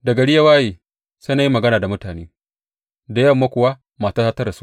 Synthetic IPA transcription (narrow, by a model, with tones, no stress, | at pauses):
dɐ˨ɡɐ˨ɽɪ˦ja˦waː˦jeː˨ | se˦na˨ji˦mɐ˨ɡɐ˦naː˨da˨mʊ˦taː˨neː˦ | da˨jɐ˦mːa˦kʷʊ˨wa˦ | maː˨ta˦sa˦tɐ˦ɾa˨su̥˦